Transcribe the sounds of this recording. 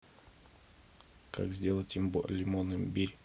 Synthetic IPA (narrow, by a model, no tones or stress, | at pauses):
kʰa̰kzʲdʲelˠətʲimbolʲɪmonɨmbʲiɾʲ